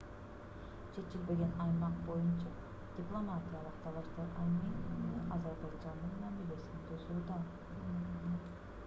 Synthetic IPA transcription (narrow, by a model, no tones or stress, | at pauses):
t͡ʃʰe̞t͡ʃilbe̞ɡe̞nɑjmɑqbo̞junt͡ʃɑ | d̪̥ʲiplˠo̞matʲijalˠɯqt̪ʰɑlˠɑʃt̪ɑɾɑjnninnʔɑzɑɾbɑd͡ʒɑnːɯnmɑmilʲe̞sint̪ʰøzyd̪ɑ